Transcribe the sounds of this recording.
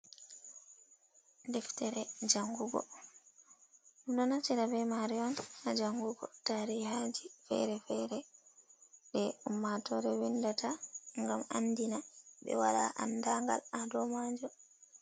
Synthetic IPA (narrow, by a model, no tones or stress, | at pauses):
dɛftɛɾɛd͡ʒaŋɡuɡɔ̰ | dɔnat͡ʃɛɾavɛmaɾiɔnad͡ʒaŋɡuɡɔtaɾihad͡ʒifɛ̰ɾɛfɛɾɛ | ɗɛumːatɔɾɛwindatʰaŋɡama̰nːdinaɓɛ̰waɗa̰ʔa̰ndaŋɡa̰ladɔmad͡ʒɔ